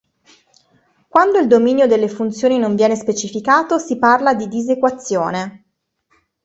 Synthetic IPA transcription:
kwand̪oild̪ominjod̪elːefunt̪sjoːninoɱvjɛːnespet͡ʃifikaːt̪osiparlad̪id̪izekwat̪sːjoːne

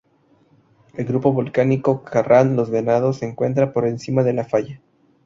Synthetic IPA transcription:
e̞lɡɾupo̞βolkaniko̞kʰarʔanlo̞zɣenað̞o̞seːŋkwe̞nt̪̬ɾapo̞ɾe̞nsimaðe̞lafaʝa

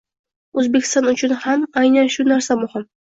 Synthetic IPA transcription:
ɵzbekʲʰɪ̥st̪ɒnʊt͡ʃʰʊnhamajnanʃʊnaɾsamʊhɪm

